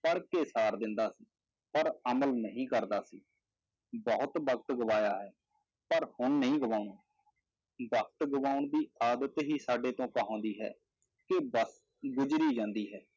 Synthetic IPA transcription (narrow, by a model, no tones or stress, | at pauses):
pəɽkeːsaːɾd̪ɪnd̪aːsiː | pəɾəməlnəɦĩːkəɾd̪aːsiː | bɔːʊt̪bək̚t̪ɡʊʋaːjaːɦɛː | pəɾhʊɳnəɦĩːɡʊʋaːʊɳoː | bək̚t̪ɡʊʋaːʊɳd̪iːaːd̪ət̪ɦiːsaːɖeːt̪õːkəɦõːnd̪iːɦɛ̰ː | kɪbəs | ɡʊd͡ʒɾiːd͡ʒãːnd̪iːɦɛː